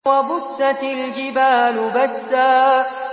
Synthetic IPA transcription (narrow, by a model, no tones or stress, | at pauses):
wabʊsːat̪ɪld͡ʒɪbaːlʊbasːaː